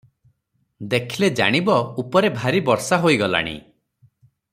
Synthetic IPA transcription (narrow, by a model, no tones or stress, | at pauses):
d̪ekʰiled͡ʒa̰ɽ̃ibɔupɔɾebʱaɾibɔɾsaɦoiɡɔla̰ɽ̃ḭ